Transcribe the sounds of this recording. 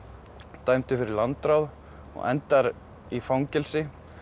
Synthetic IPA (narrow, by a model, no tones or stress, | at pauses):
t̪aːjmt̪ɪfɪɾɪɾlant̪ɾawð | ɔ̰ɣɛ̰nt̪aɾ | ifawŋcɪlsɪ